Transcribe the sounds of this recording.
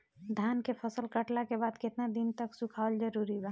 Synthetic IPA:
d̪ʱankepʰəsəlkəʈlakebad̪ket̪nad̪int̪əksukʰald͡ʒəɾuɾiba

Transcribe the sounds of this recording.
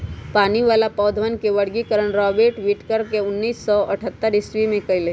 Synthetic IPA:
paːniʋaːlapɔːd̪ʱʋənkeʋɐɽɡikəɾəɽ̃ɾɔːbeːʈʋiːʈkəɾkeʊnːiːsːɔʔɐʈʰət̪ːəɾɪswimẽkɐile

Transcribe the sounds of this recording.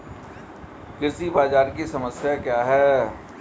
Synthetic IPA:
kɪɾsibaːd͡ʒaːɾkisɐməsjakjaːɦɛː

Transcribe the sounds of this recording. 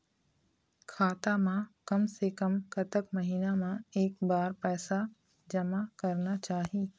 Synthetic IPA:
kʰaːt̪amãkɐmsekɐmkɐt̪əkmɐɦiːnamãeːk̚baːɾpɛːsa | d͡ʒɐmakɐɾnat͡ʃaːɦiː

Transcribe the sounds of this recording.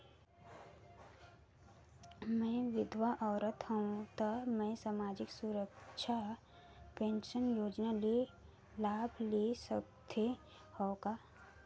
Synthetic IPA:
mɛ̃ʋɪd̪ʱʋaʔɔːɾət̪ɦəũt̪əmɛ̃samaːd͡ʒɪksuɾəkʃʰa | pẽːnʃənjoːd͡ʒnalie | laːbʱliesəbd̪ʰe | hɔːkaː

